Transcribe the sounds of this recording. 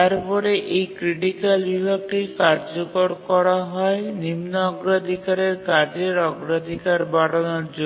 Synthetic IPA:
aɾpɔɾeʔejkɾiʈikalbibʱaɡ̚ʈiɾkaɾd͡ʑokoɾkɔɾaɦɔenimnoɔɡɾad̪ʱikaɾeɾkad͡ʑeɾɔɡɾad̪ʱikaɾbaɽonoɾd͡ʑo

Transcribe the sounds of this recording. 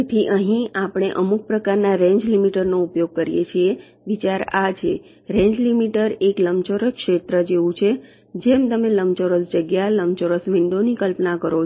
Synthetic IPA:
et̪ʰiʔəɦĩapɽ̃eʔəmuk̚pɾəkaɾnaɾẽɲd͡ʒlimiʈəɾnoupjoɡ̚kəɾijḛt͡ʃʰie | ʋit͡ʃaɾa̰d͡ʒe | ɾẽɲd͡ʒlimiʈəɾekləmt͡ʃoɾəkʃet̪ɾəd͡ʒeʋũt͡ʃʰe | d͡ʒemt̪əmeləmt͡ʃoɾəsd͡ʒəɡjaləmt͡ʃoɾəsʋiɳɖonikəlpnakəɾo

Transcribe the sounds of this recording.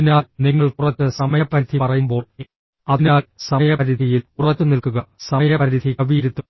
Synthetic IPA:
inaːlniŋːɐɭkurɐt͡ɕːɨsɐmɐjɐpːɐɾd̪ʰʱipɐrɐjumbo̞ːɭ | ɐinaːlsɐjɐpɐɾid̪ʱijilkurɐt͡ɕːɨnilkuɣɐsɐjɾɐpɐɾid̪ʱikɐʋiiɾut̪ːu

